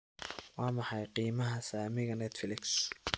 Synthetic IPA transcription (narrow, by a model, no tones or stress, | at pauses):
wɑːmɑħɑjqiːmɐɦɐsaːmɪɣɐnɛːt̪fɪlɪks